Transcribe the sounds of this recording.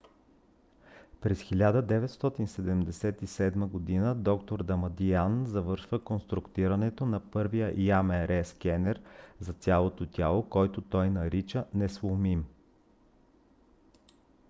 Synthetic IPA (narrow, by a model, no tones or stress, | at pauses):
pɾɛsxilʲad̪əd̪ɛvɛt̪st̪ɔt̪insɛd̪ɛmd̪ɛsɛt̪isɛd̪məɡod̪inəd̪ɔkt̪oɾd̪ɐmɐd̪ianzɐvɤɾʃvəkonst̪ɾʊkt̪iɾɐnɛt̪onɐpɤɾvijəʔjamɛɾʔɛskʲɛnɛɾzɐt̪sʲjalˠot̪ot̪ʲjalˠokɔjt̪ot̪ɔjnɐɾit͡ʃənɛslˠomim